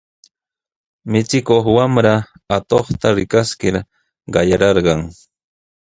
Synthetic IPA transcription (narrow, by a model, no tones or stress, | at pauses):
mɪt͡sɪkoχwamɾaat̪oχt̪aɾɪkaskɪɾ | ɢɑjaɾɑɾɢɑŋ